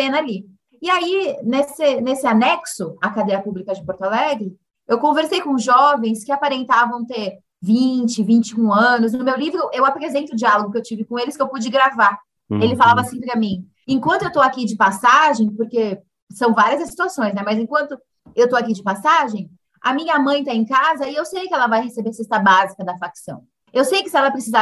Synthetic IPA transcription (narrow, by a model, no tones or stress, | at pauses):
pẽnali | ɪainesɪnesɪanɛksʊakad̪ejɐpublikɐd͡ʒɪpoɾt̪alɛɡɾɪ | ewkõveɾsejkõzʒɔvẽj̃skɪapaɾẽnt̪avɐ̃w̃t̪eɾ | vĩt͡ʃɪvĩnt͡ʃɪũɐ̃nʊs̬nʊmewlivɾʊʔewapɾezẽnt̪ʊd͡ʒialoɡʊkɪewt͡ʃivɪkõelɪskewpud͡ʒiɡɾava | elɪfalavɐsĩpɾɪɐmĩ | ẽŋkwʷɐ̃nt̪ʊewt̪owakid͡ʒɪpasaʒẽj̃poɾke | sɐ̃w̃vaɾiɐzɐsi̥t̪uasõj̃snɛmɐzẽkwɐ̃nt̪ʊ | ewt̪oakid͡ʒɪpasaʒẽj̃ | ɐ̰mĩɲɐmɐ̃j̃t̪aẽkazɐɪewsejkɪɛlɐvajhesebeɾsest̪ɐbazikɐd̪ɐfaksɐ̃w̃ | ewsejkɪsɪɛlɐpɾesiza